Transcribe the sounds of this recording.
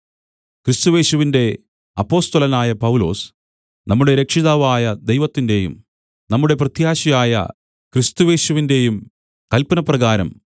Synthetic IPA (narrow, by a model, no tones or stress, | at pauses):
krist̪uje̞ːɕuʋinde̞ | ɐpːo̞ːst̪ɐlɐnaːjɐpɐwulo̞̰ːs | nɐmːuɽe̞ɾe̞kʂiðaːʋaːjɐd̪e̞jʋɐt̪ːinde̞jṵm | nɐmːuɽe̞prɐt̪jaːɕijaːjɐ̰ | krist̪uje̞ːɕuʋinde̞jum | kɐlpɐnɐprɐɣaːɾɐ̰m